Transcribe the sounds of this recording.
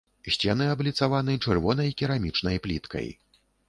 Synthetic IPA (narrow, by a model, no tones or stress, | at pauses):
sʲt͡sʲɛnɨablʲit̪savanɨt͡ʂɨrvɔnɐjkʲiɾamʲit͡ʂnɐjplʲḭt̪kɐ̰j